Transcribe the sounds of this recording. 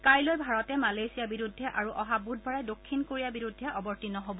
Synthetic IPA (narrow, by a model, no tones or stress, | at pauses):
kajlojbʱaɹɔtɛmalejsijabiɹudʱːɛʔaɹuʔɔɦabud̚ʱbʱɔɹadokʰːinkoɹijabiɹudʱːɛʔɔbɔɹtinɔɦobɔ